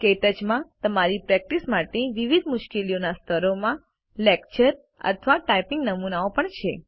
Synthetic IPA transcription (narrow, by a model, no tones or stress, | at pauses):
ket̪əd͡ʒmãt̪əmaɾipɾɛk̚ʈismaʈeʋiʋid̪mʊʃkelijonast̪ʰəɾomã | lekt͡ʃəɾ | ə̰t̪ʰʋaʈajpiŋɡnəmunaopəɳt͡ʃʰe